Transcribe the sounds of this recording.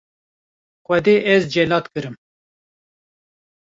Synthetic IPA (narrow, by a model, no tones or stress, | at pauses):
xʷɛd̪eːʔɛzd͡ʒɛlɑːt̪kɨɾɨm